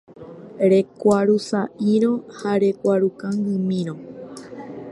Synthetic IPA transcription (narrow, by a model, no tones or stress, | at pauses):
ɾe̞kʷaɾusaʔiɾ̃õhaɾe̞kʷaɾukaŋɡɨmĩɾ̃õ